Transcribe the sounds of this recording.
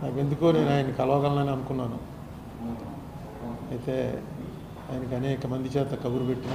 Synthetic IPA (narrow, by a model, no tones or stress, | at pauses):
naːke̞nd̪ukuːne̞ːnuaːjɐnikɐlɐʋɐɡɐlɐnɐneɐnukunːaːnu | ɐjit̪e̞ː | a̰ːjɐnɐkɐnɛːkɐmɐnd̪ʱit͡ʃɛːt̪ɐkɐbuɾupeʈːina